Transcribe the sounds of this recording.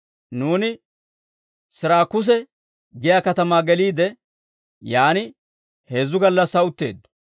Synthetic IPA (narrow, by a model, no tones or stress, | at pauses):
nuːnɪ | sɪɾaːkːʊs̬ɛ | ɡɪjaːkɐt̪ɐmaːɡɛliːd̪ɛ | jaːnɪ | he̞ːzːʊɡɐlːɐsɐʊt̪ːe̞̰ːd̪ːʊ̥